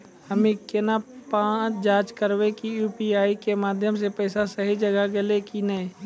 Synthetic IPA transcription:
həmẽkɪnapãːt͡ʃd͡ʒaːt͡ʃkəɾwekijuːpiaːikemaːd̪ʱjəms̬epɛːsasəɦid͡ʒɐɡaɡɪlekinəĩ

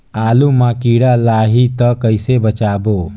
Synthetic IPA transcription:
aːlumakiɽalaːɦit̪əkəjsebət͡ʃaːbo

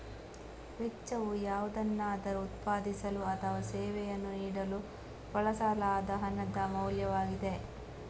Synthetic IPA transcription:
ʋet͡ʃːɐʋujaːʋud̪ɐnːaːd̪ɐɾuut̪paːd̪isɐluɐt̪ʰɐʋasɛːʋɛjɐnːuniːɽɐlu | pɐɭɐsaːlaːd̪ɐɦɐnɐd̪ɐmɐwljɐʋaːɡid̪e̞

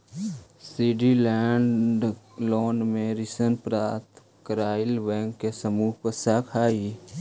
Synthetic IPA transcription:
siɖilɛɳɖloːnmẽɾɪsənpɾaːt̪ | kəɾaːɪlʋɛ̃ːŋkːesəmuːɦpəsakʰaːi

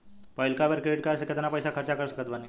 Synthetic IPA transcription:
pɔjlkaʋəɾkɾeʈ̚kas̬eket̪anapəjsakʰəɾt͡ɕakəɾsəkət̪bani

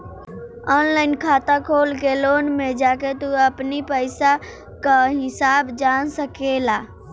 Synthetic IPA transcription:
ɔːnlaːɪnkʰaːt̪akʰoːlkeloːnmẽd͡ʒaːket̪uəpnipəɪsa | kaɦɪsaːbd͡ʒansəkela

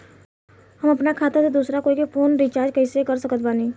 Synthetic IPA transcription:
ɦəməpnakʰaːt̪esed̪uːsɾakoːikepʰoːnɾit͡ʃaːɾd͡ʒkəɪsekəɾsəkət̪baːni

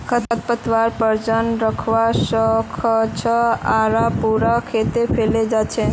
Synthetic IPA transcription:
kʰət̪ət̪̚pət̪ʋaɾpəɾd͡ʒənɾəkʰʋaʃəkʰət͡ʃʰəaɾapuɾakʰet̪efʰeled͡ʒat͡ʃʰe

